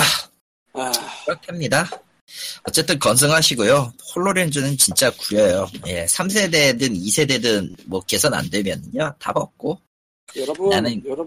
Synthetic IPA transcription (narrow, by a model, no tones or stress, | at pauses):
a | kɯɾʌkʰeamɲida | ʌt͡ɕ͈e̞t͈ɯnkʌns̬ʰɯŋɦaɕʰiɡojohoɭːoɾend͡ʑɯnɯnt͡ɕint͡ɕ͈akujʌjoje̞sʰams̬ʰe̞de̞dɯnisʰe̞de̞dɯnmwʌke̞sʰʌna̰ndwemjʌnɲata̰bʌp̚k͈o | nanɯn